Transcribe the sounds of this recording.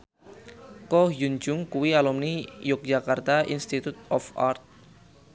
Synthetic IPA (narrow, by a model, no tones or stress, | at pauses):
kɔjund͡ʒʊŋkuwialumnijʊk̚d͡ʒakart̪aʔḭnst̪it̪ut̪ɔfa̰rt̪̚